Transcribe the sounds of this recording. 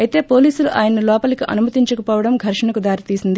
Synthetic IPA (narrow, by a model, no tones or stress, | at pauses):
ɐjt̪e̞ːpoːliːsuluʔaːjɐnːulɔːpɐlikiʔɐ̰numɐt̪iɲt͡ʃɐkɐpɔːʋɐɽɐmɡʱɐɾʃɐnɐkud̪aːɾit̪iːsind̪i